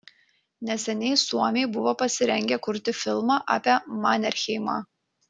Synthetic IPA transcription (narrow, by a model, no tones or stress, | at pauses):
nʲɛsʲɛnʲɛɪsuɔmʲɛɪbʊʋoːpɐsʲɪɾʲɛŋʲɡʲɛkʊɾʲt̪ʲɪfʲɪlˠmɑːʔa̰ːpʲeɛmɑːnʲɛɾʲxʲɛɪmɑ̰ː